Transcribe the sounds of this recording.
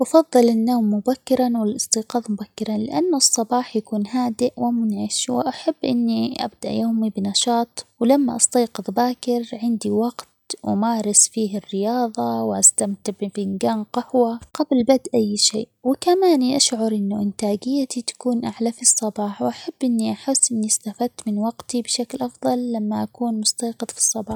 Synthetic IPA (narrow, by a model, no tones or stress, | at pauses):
wʔɑfɑðˤːɨlɪnːoːmːʊbakːɪɾanwɪlʔɨst̪ˤiːqɑːðˤmʊbakːɪɾanlɪʔanːʊsˤːɑbɑːħjakuːnɦaːd̪ɪʔwɪmʊnʕɪʃwɪ̰ʔaħabːʔɪnːiʔa̰b̚d̪aʔjoːmibɪnɑʃɑːt̪ˤwlamːaʔɑst̪ɑːqɨðˤbaːkɪɾʕɪnd̪iwɑɡt̪wʊ̰maːɾˤɪsfiːɦɪrːɪjɑːðˤɑwʔast̪amt̪ɪʕbɪfɪŋɡaːnqɪhwaɡablbad̪ʔajːʃḛːʔwɪkamaːniʔaʃʕʊɾʔɪnːʊʔɪnt̪aːɡɪjːat̪it̪ḁkuːnʔaʕlafisˤːɑbɑːħwʔaħab̥ːʔɪnːiʔaħɪsːʔɪnːist̪afad̪̚t̪mɪnwɑɡt̪ibɪʃaklʔɑfðˤɑlːamːaʔakuːnmʊst̪ɑːqɨðˤfi̥sˤːɑbɑːħ